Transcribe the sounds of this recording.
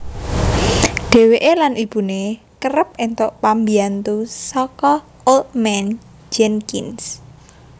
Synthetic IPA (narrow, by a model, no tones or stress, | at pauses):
ɖ̥e̤weʔelanʔib̥ṳne | kəɾəp̚ent̪oʔpambiant̪usɔkɔ | olt̪̚mɛn | d͡ʒɛnkins